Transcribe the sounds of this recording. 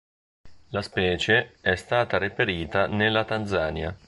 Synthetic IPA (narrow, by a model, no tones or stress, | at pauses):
laspɛːt͡ʃeɛst̪aːt̪aɾepeɾiːt̪anelːat̪and̪zaːnja